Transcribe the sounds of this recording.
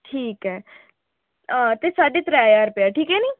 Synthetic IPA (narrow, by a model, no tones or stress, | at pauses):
ʈʰiːkɦɛː | ət̪esaːɖet̪ɾaːjaːɾpeaʈʰiːkɦɛnĩː